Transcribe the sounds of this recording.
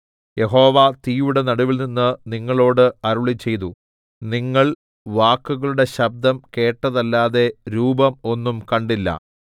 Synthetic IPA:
je̞ɦo̞ːʋat̪iːjuɽe̞nɐɽuʋilninːɨniŋːɐɭo̞ːɽɨɐɾuɭit͡ɕːe̞jt̪u | niŋːɐɭ | ʋaːkːuɣɐɭuɽe̞ɕɐb̚d̪ɐmke̞ːʈːɐðɐlːaːðe̞ɾuːbɐmo̞nːumkɐɳɖilːɐ̰

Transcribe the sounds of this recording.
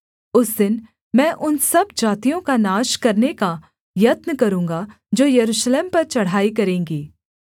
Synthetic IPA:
ʊsd̪ɪn | mɛ̃ːʔʊnsɐbd͡ʒaːt̪ijõkanaːʃkɐɾneka | jɐt̪nəkɐɾũːŋɡa | d͡ʒoːjɐɾuːʃleːmpɐɾt͡ʃɐɽ̤aːik̬ɐɾẽːŋɡiː

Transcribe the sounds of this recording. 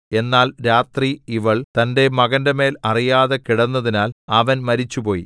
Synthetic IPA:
e̞nːaːlɾaːt̪riiʋɐɭt̪ɐnde̞mɐɣɐndeme̞ːlɐrijaːðekiɽɐnːɐðinaːlɐʋɐnmɐɾit͡ɕːupo̞ːjḭ

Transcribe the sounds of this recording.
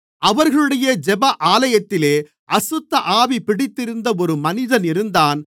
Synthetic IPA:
ɐʋɐɾɣɐɭɯɽɐjɐd͡ʒɛbɐʔaːlɐjɐt̪ːɪleː | ʔɐsʊt̪ːɐʔaːʋipɪɽɪt̪ːɪɾɯnd̪ɐɔɾɯmɐnɪðɐnɪɾɯnd̪aːn

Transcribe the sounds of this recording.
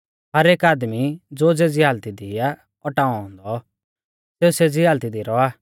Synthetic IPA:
ɦɐɾeːkaːd̪mid͡zoːd͡zed͡ziɦaːlt̪id̪ija | ɔʈaːɔ̃ɦɔ̃nd̪ɔ | seːused͡ziɦaːlt̪id̪iɾɔaː

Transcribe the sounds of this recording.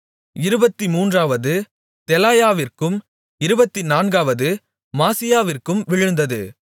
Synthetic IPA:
ɪɾɯbɐt̪ːimuːndraːʋɐðɯ | t̪ɛlaːjaːʋɪrkɯm | ɪɾɯbɐt̪ːinaːnɡaːʋɐðɯ | maːsɪjaːʋɪrkɯmʋɪɻɯnd̪ɐðɯ̰

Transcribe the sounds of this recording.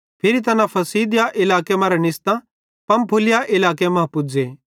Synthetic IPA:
pʰɪɾit̪̬ɐnãpʰɐsiːd̪ɪjaʔɪlaːkemãːɾɛnɪst̪ã | pɐ̃mpʰʊlɪjaʔɪlaːkemɐ̃ɦpʊd͡ʒeː

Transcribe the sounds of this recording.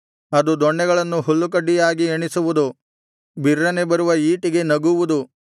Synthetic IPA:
ɐd̪ud̪ɔɳːɛɡɐɭɐnːuɦulːuk̬ɐɖijaːɡieɳisuʋud̪u | biɾːɐnebɐɾuʋɐiːʈiɡe̞nɐɡuʋud̪u

